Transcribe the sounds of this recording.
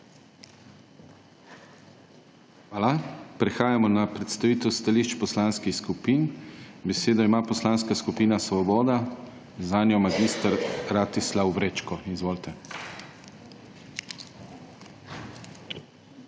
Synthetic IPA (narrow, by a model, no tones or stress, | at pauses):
xʋaːlapɾɛxaːjamɔnapɾɛt̪st̪aʋiːt̪ɛwst̪aliʃt͡ʃpɔslanskixskupiːnbɛseːd̪ɔimaːpɔslanskaskupiːnasʋɔbɔːd̪a | zanjɔmaɡist̪aɾɾat̪islawbɾet͡ʃkɔizʋoːlt̪ɛ